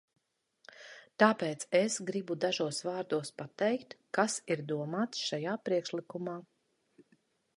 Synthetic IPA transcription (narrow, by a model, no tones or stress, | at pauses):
t̪aːpɛːt̪sesɡɾibud̪aʒuɔsvaːɾd̪uɔspat̪ɛjkt̪kasiɾd̪uɔmaːt̪sʃajaːpɾiɛkʃlikumaː